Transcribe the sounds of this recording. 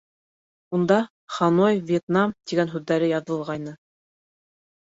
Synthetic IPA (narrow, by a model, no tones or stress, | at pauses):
und̪ɑ | χɑnojvʲjet̪nɑmt̪iɡænɦʉðːæɾɘjɑðɤ̆lˠʁɑjnɤ